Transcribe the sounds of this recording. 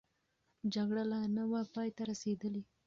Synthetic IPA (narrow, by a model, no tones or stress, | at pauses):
d͡ʒaɡɽalanawapɑjt̪aɾased̪əli